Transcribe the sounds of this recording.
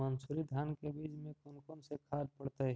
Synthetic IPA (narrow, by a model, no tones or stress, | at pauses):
ɐnsuːɾid̪ʱjaːnkebiːd͡ʒmẽkʊnkõnsekʰaːd̪pɐɽt̪e